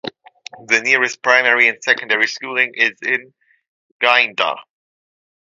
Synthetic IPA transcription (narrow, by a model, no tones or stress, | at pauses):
ðɨnɪɹɨs̚pʰɹ̥ãɪ̃mɛɹiɨ̃nsɛkə̃n̩dɛɹiskulˠɪ̃ŋʔɪzɪ̃n | ɡ̥ãɪ̃ndə̰